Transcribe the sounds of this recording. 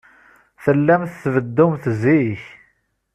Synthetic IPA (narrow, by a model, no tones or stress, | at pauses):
θəlːæmθθvəd̪ːʊmθziç